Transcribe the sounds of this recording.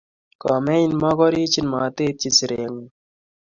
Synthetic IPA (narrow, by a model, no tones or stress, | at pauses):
kameinmaɡɔɾiːt͡ɕinmaːt̪eːt͡ɕit͡siɾeŋu